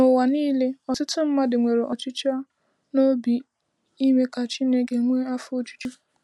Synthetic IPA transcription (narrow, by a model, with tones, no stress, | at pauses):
nʊ˨wa˨niː˦le˦ɔ˨sʊ˦tʊ˦m̩˦ma˦dɪ˨ŋʷe˨ɾe˨ʔɔ˨t͡ʃʊ˦t͡ʃa˦ | no˦bi˨ | i˦me˦ka˨t͡ʃi˦ne˦ɡe˨ŋʷe˦a˦fʊ˦o˦t͡ʃu̥˦t͡ʃu˦